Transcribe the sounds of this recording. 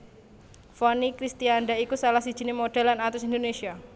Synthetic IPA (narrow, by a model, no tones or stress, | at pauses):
fɔnikɾist̪ianɖaikusalahsi̥d͡ʒ̥i̤nemoɖ̥alanat̪ʊsind̪onesia